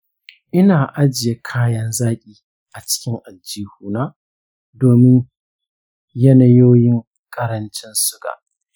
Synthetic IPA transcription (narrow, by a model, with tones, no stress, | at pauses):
ʔɪ˦naː˨ʔa˦d͡ʒɪ˨je˦kʰaː˦jɐ˦nzaː˦kʲʼiː˨ | ʔa˨t͡ʃɪ̥˦kʲɪ˦ŋʔa˨d͡ʒːiː˦huː˦˨naː˦ | doː˨mɪ˦ɲ | jɐ˦nɐ˦joː˦jɪ˦ŋ | kʼɐ˦ɾɐ˦nt͡ʃɪ˦nsʊ˦ɡa̰ː˨ʔ